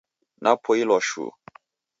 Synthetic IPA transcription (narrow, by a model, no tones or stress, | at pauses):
napʰoilɔʃṵ